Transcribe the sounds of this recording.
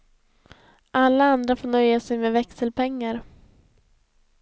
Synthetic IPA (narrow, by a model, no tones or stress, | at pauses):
ʔalːaand̪ɾafoːɳœjːasɛjmeːvɛksɛlpʰɛŋːaɾ